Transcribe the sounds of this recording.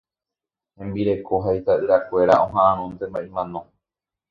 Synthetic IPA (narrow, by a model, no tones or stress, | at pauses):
hẽ̞mbiɾe̞kʰoɦait̪aɨɾakʷe̞ɾa̰ʔõɦãʔãɾ̃õnt̪ẽmbaʔimãnõ